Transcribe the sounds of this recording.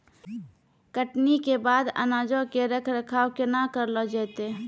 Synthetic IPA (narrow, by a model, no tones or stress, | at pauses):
kəʈnikebaːd̪ə̰naːd͡ʒõkeɾəkʰɾəkʰaːkenakəɾlɔd͡ʒɛːt̪e